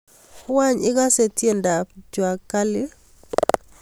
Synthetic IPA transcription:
wa˦ɲɪ˦ka˦se˨tje˦˨nda˨pd͡ʒwa˨kːa˦lɪ˦

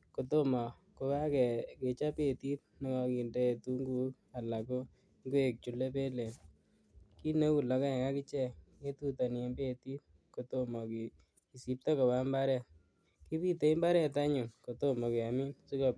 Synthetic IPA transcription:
ko˨to˦mɔ˨ | ko˧ka˦kɛ˨ke˨t͡ʃa˦pe˦˨ti˦t̚nɪ˨˦ŋɔ˧ki˨nde˦˨tu˦ŋɡu˦ | a˨la˨kʊ˦ | ŋɡwe˨k̚t͡ʃu˨le˦p̬e˦le˨n | ki˦ne˦ku˨lɔ˨ka˦ɛ˨ka˦kɪ˦t͡ʃɛ˦˨ke˦tu˦ta˨n˨e˦mbe˦ti˦t̚ | ko˨to˦mɔ˨ki˨ | i˨si˨p̚tɔ˦ko˨ba˦mba˦ɾɛ˦˨ | ki˦pi˦te˨i˦mba˦ɾɛ˦ta˦ɲu˨ŋko˨to˦mɔ˨ke˨a˨mi˦nsi˦kɔ˨

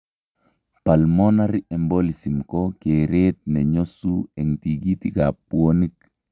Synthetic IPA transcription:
pa˨lmo˦na˦ɾi˦ʔɛ˨mbo˦lisi˨mkoke˨ɾet̪̚nɛ˨ɲo˦suɛ˨ŋt̪iɡi˦t̪iɡa˨puoni˦k

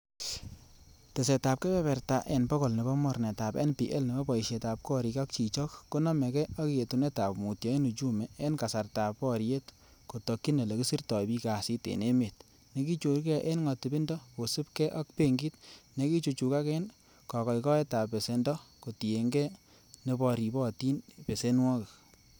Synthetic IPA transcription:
te˨sɛ˨ta˨p̚kɛ˦pɛ˦pɛ˨rta˨ʔɛ˨npɔ˦kɔ˨lni˨bɔ˦mɔ˦ɾnɛ˨ta˨pɛ̰˦npi˨ʔɛ˦lni˨bɔ˦bɔ˨i˨ʃɛ˨ta˨p̚kɔ˦ɾi˨kɔ˦k̚t͡ʃi˨t͡ʃɔ˦kːo˦nɔ˦mɛ˨kɛ˦ɔ˦ki˨e˨tu˨nɛ˦ta˨pmu˨tjɔ˨˦e˦nu˨t͡ʃu˦mɛ˨e˦nka˨sa˨rta˨pɔ˦ɾje˦t | ko˨tɔ˨kːi˦ne˨le˨ku˦si˦rtɔ˨bi˦ka˨si˦tḛ˨ne˦me˨t̚ | ne˨˦ki˦t͡ʃo˨ɾkɛ˦˨ʔe˦nŋɔ˨ti˨bi˦ndɔ˦ko˨si˦p̚kɛ˦ʔɔ˦k̚pe˦ŋɡi˦tne˨ki˦t͡ʃu˧t͡ʃu˨ka˦kɛ˦n | kɔ˨kɔ˨jkɔ˦ɛ˦ta˨pːe˨se˨ndɔ˦ko˨ti˨e˨ŋɡɛ˦ | ne˧bɔ˧ɾi˨bɔ˦ti˦npe˨se˦nwɔ˦kɪ˨k

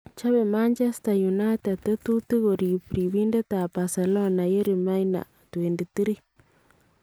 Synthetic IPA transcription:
t͡ʃa˦βe˨ma˦nd͡ʒa˦st̪a˨ju˨na˦t̪a˨t̪e˦t̪u˦t̪i˦ɣo˨ɾi˨pɾi˨βi˦nde˦t̪a˨pa˨sa˨lɔ˦na˨je˦ɾi˨ma˦jna̰˨ | t̪we˨ndi˨t̪i˦ɾi˦

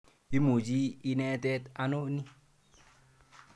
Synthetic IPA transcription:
i˦mo˨d͡ʒi˦i˦nɛ˦tɛ˦ta˦no˦ni˦

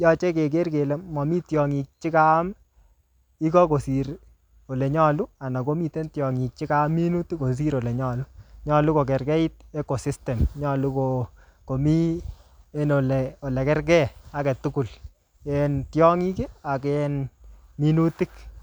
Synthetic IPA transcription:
jɔ˦t͡ʃe˦ke˨k̬e˦rke˨le˨mɔ˨mi˦tjɔ˨ŋi˨k̚t͡ʃi˦ka˦m | i˦kɔ˦ko˨si˨ɾ | o˨le˨ɲɔ˦lu˦a˨na˨ko˦mi˦˨te˦ntjɔ˨ŋi˨k̚t͡ʃi˦ka˦mːi˦nu˦ti˦ko˨s̬i˦ɾɔ˨lɛ˨ɲɔ˨lu˦ɲɔ˦˨lu˦ko˨k̬ɛ˨ɾkɛ˦i˦t̚e˦ko˨si˦stɛ˨mɲɔ˦lu˦ko˨ | ko˨mi˦ | e˦no˨lɛ˨o˨lɛ˨kɛ˦rk̬ɛ˦a˦kɛ˨tu˦ku˨l | ɛ˦ntjɔ˦ŋi˦ke˦a˨kɛnmi˦nu˦ti˦k

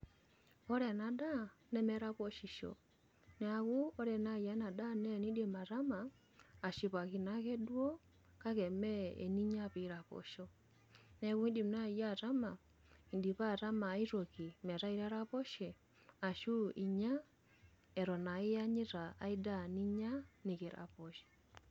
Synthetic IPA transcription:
ɔ˦ɾɛ˨na˨da˦nɛ˦mɛ˦ɾa˦βɔ˦ʃi˨ʃɔ̰˨ | nɛ˨a˨ɣu˦ɔ˦ɾɛ˨na˦ija˦na˨da˦˨nɛ˦ni˦dɛ˨ma˨ɾa˦maː˨ | ʃi˨βa˨ki˨na˦ɣɛ˦dwɔ˦ | ka˦ɣɛ˨mɛ˦ɛ̰˨ni˦ɲa˦βi˨˦ɾa˨βɔ̰˨ʃɔ | nɛ˨ku˦i˦di˨mna˦˨ja˦˨ta˦ma˨ | i˨ndi˨βa˦˨ta˦ma˨˦i˦ɾɔ˨ki˨mɛ˨ɾa˦i˨ɾa˦ɾa˦pɔ˦ʃɛ˨ | a˨ʃu˦ʔḭ˨ɲa˦ | ɛ˨ɾɔ˨na˨i˦ja˦ɲi˦ɾa̰ː˨i˦da˦˨ni˦ɲa˦ni˨kɛ˨ɾa̰˨pɔ˨ʃi̥˨

